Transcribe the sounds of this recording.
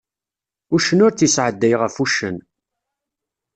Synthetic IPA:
ʊʃənʊɾt͡sisʕəd̪ːæjʁəfuʃːə̰n

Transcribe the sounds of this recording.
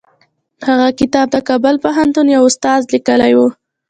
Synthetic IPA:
haɣakɪt̪ɑb̚d̪əkɑbʊlpaɦant̪unjawʊst̪ɑzlikəlajwu

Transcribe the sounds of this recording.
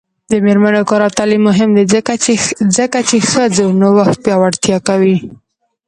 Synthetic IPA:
d̪əmeɾmanokɑɾawt̪ɑlimːʊɦɪmd̪eəazəkat͡ʃexəzonowaxt̪̚pjɑwaɽt̪jɑkawi

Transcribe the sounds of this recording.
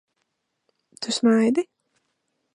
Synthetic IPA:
t̪ʰusmajd̪i

